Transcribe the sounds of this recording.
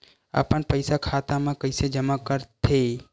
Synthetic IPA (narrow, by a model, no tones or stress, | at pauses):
a̰ːpəɳpəjsakʰaːt̪amãkəɪsed͡ʒəmakəɾt̪ʰe